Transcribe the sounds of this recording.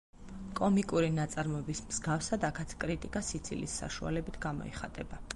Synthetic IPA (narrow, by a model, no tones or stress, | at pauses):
kʼɔmikʼuɾinat̪sʼaɾmɔɛbismz̥ɡafsad̪akʰat̪ʰkʼɾit̪ʼikʼasit̪sʰḭlḭsːa̰ʃua̰lɛbit̪ʰɡamɔ̰ḭχat̪ʼɛba